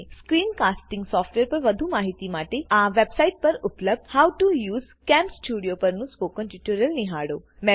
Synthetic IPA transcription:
skɾiːnkasʈĩŋɡsɔfʈʋeɾpəɾʋəd̪ʱũmaɦit̪imaʈeaʋebsaiʈ̚pəɾupləb̚d̪hawʈujuːz | kɛ̃mpsʈuɽijopəɾnũspokə̃nʈuʈuɾəlniɦaɽomɛ

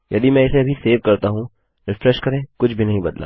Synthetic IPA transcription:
jɐd̪imɛ̃ɪseɐbʱiseːʋkɐɾt̪aɦũ | ɾɪfɾɛʃkɐɾẽkʊt͡ʃʰbʱinɐɦĩbɐd̪la̰ː

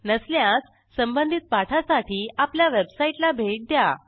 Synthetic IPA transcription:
nəsljãt͡sː | əmbənd̪ʱit̪̚paʈʰasaʈʰiːapljaʋebsaiʈlabʱeʈ̚d̪ja

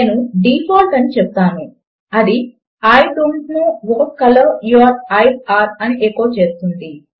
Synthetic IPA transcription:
eːnuɖiːpʰoːlʈɐnit͡ʃɛp̚t̪aːnu | ɐd̪i | aːjɖuɳɖnuʋoːkɐlɐɾjuɐɾɐjsaːɾɐniʔeːkoːt͡ʃeːst̪und̪i

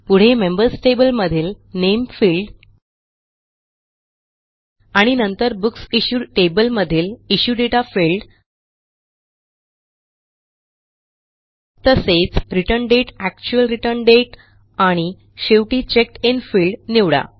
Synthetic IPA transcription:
puɽ̤emembəɾsʈebəlməd̪ʱiːlnemfiːlɖ | aɽ̃inənt̪əɾbuksiɕuːʈebəlməd̪ʱiːliɕuːɖeʈafilɖ | t̪əset͡sɾiʈəɳɖeʈæk̚t͡ɕuəlɾiʈəɾnɖeʈ | aɽ̃i | ɕeʋʈiːt͡ɕek̚infiːlɖniʋɽa̰

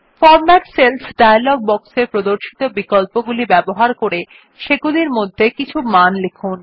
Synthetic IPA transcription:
fɔɾmɛʈselfʰɖajlɔɡ̚bɔksepɾod̪oɾʃi̥t̪obikolpoɡulibɛboɦaɾkoɾe | ʃeɡuliɾmod̪ʱːekit͡ɕʰumanlekʰun

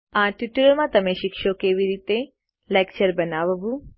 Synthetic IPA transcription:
ãʈuʈulmãt̪əmeʃikʃokeʋiɾit̪e | lekt͡ʃəɾbənaʋəʋũ

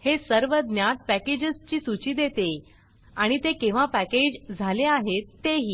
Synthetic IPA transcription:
hesəɾʋəd̪njat̪̚pæked͡ʑəst͡ɕiːsut͡ɕiːd̪et̪e | aɽ̃it̪ekĩʋ̤apæked͡ʑd͡zʱaleaɦet̪ːeɦiː

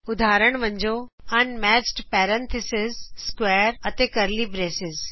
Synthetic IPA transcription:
ʊd̪ʱaːɾəɽ̃ʋə̃ɲd͡ʑoɐnmɛːt͡ɕʈpɛːɾɛ̃nt̪ʰɪsɪzskweːɾɐt̪eːkɐɾlibɾeːsɪz

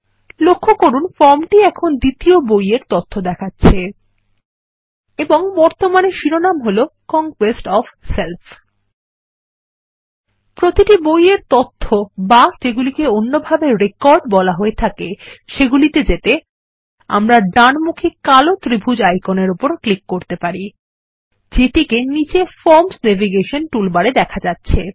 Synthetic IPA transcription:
lokʰːokoɾunfɔɾmʈiɛkʰond̪it̪iobojeɾt̪ot̪ʰːod̪ɛkʰatːɕʰe | eboŋbɔɾt̪omaneʃiɾonamɦolokɔŋkwesʈɔfselfʰ | pɾot̪iʈibojeɾt̪ot̪ʰːobad͡ʑeɡulikeonːobʱabeɾekɔɾɖbɔlaɦoet̪ʰakeʃeɡulit̪ed͡ʑet̪e | a̰mɾaɖanmukʰikalot̪ɾibʱud͡ʑajkoneɾupoɾklikːoɾt̪epaɾi | d͡ʑeʈikenid͡ʑefɔɾmsnɛviɡeʃonʈulbaɽed̪ɛkʰad͡ʑatːɕʰe

